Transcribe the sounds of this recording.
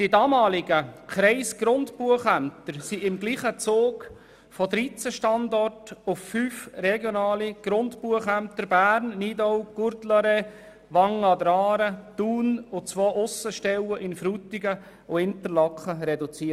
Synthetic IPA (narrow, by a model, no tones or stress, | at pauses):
d̥idɑːmɑːlɪɡəkɾɛɪsɡ̥ɾʊntpuəχæmt̪əɾsiɪmɡliːχət͡soːk | fɔdɾit͡səʃtɑndɔrtʊffyːfrɛɡjonɑːliɡ̥ɾʊntpuəχæmtəɾbæːrnːiːdɔwɡ̥uɾdlɑɾe | ʋɑŋːɑdɾɑːɾəd̪̥uːnʊt͡sʋoːʔʊsəʃtɛləʔɪnfɾuːtɪɡə | ʊɪnt̪əɾlɑkχəɾɛdut͡siət